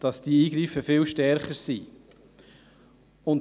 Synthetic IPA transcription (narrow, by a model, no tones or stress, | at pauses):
d̥ɑsd̥iːiːɡɾifəfɪlʃtɛɾχəɾsḭ | ʊnt